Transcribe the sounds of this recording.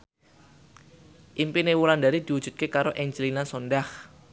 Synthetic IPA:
ʔimpinewuɾandaɾid̪̥i̤wud̥ʒ̥ṳt̪̚kekaɾoʔɛɲd͡ʒlinasonɖah

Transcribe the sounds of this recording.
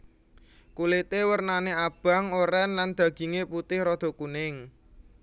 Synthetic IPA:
kulet̪ewərnaneab̥a̤ŋoɾɛnland̪̥ä̤ɡ̥i̤ŋeput̪ɪhɾɔd̪̥ɔ̤kunɪŋ

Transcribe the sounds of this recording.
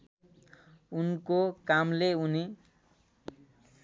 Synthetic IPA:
unkokamleuni

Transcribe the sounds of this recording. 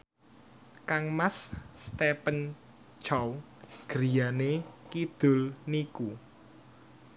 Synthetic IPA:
kaŋmasst̪epən | t͡ʃaw | ɡ̥əɾijanekid̪̥ʊ̤lniku

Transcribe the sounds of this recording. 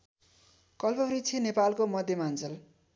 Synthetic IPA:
kʌlpʌrit͡sʰenepalkomʌd̪ʱjʌmant͡sʌl

